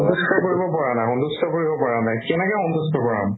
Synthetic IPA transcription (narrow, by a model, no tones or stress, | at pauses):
ɔnt̪uskakoɹibɔpaɹanajxɔnd̪uskakoɹibɔpaɹanajkɛnɛkɛxɔnt̪ustɔkɔɹa̰m